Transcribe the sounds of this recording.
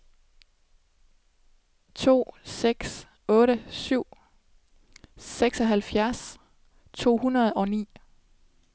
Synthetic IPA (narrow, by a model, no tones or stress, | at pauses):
t͡sʰo̝̰ːseɡ̥s | ɔ̽ːɾəsyʊ̰ | seɡ̥sɒ̽ɦælfjæɐs | t͡sʰo̝̰ːhunɐð̞̩ˠɒ̽nḭː